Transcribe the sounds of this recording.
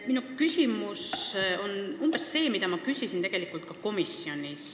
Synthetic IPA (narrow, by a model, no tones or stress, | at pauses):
minukysʲimuso̞numb̥esːe̞ːmid̪̥ɑmɑkysʲisint̪e̞ɡ̥e̞likˑult̪̚kɑko̞misːio̞nʲis